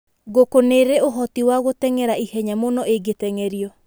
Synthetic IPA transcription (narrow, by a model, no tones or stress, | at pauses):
ɣokoneɾeoɦɔtiwaɣotɛŋɛɾaihɛɲamonɔeɡetɛŋɛɾiɔ